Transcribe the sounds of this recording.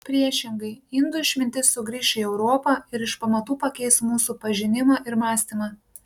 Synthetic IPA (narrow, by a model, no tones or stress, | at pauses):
pʲɾʲiɛʃʲɪŋɡɐɪɪnd̪ʊɪʃʲmʲɪnʲt̪ʲɪsːʊɡɾʲiːʃʲiːɛʊɾoːpɐɪɾɪʃpɐmɐt̪uːpɐkʲɛɪsmuːsuːpɐʒʲɪnʲɪmɑʔɪɾmɑːsʲt̪ʲɪmɑː